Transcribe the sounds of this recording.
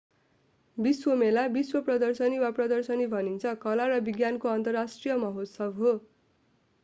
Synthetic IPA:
biswomelabiswʌprʌd̪ʌrsʌniwaprʌd̪ʌrsʌnibʱʌnint͡sʰʌkʌlaɾʌbiɡjankoʌnt̪ʌrasʈrijʌmʌɦot̪sʌbɦo

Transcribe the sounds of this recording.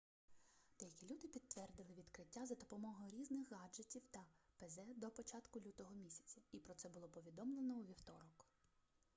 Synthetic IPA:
d̪̥ɛjɐkʲilʲud̪ɪpʲid̪ʋɛrd̪ɪlˠɪʋʲid̪kɾɪtʲːazɐd̪ɔpɔmɔɦɔjʊɾʲiznɪxɣɑd͡ʒetʲiwt̪ɐpezɛd̪ɔpɔt͡ʃɑt̪kʊlʲut̪ɔɦɔmʲisʲɐ̥t͡sʲɐipɾɔt̪sɛbʊlˠɔpɔʋʲid̪ɔmlˠenɔuʋʲiwt̪ɔɾɔk

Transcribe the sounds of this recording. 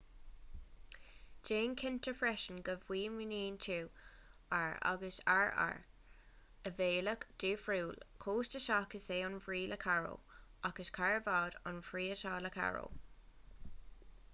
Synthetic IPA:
d͡ʒ̥eːnkʰɪntəɹfɹɛʃənɡəvwiːmɪniːntʰuː | aɹa̰ɡəsaɹa̰ɹ | əveːləkd̪̥uːfɹuːlkʰoːstəʃakəseːʊnfɹiːlʔəkʰaɹo̰ːakəskʰaɹəvɑːdɑ̰nfɹiːətʰaːləkʰa̰ɹo̰ː

